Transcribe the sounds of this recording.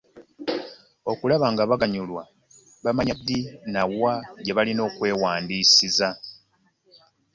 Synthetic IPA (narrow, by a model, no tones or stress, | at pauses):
o̞kulaβaːŋɡaβaɡaɲulwa | βamaɲad̪ːinawaɟeβalino̞ːkwe̞ːwaːndiːsiza